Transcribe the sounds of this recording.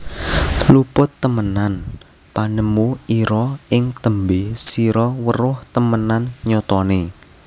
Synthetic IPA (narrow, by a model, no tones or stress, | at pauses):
lupʊt̪ːəmənan | panəmuiɾɔɪŋt̪əmbesiɾɔwərʊht̪əmənanɲɔt̪ɔne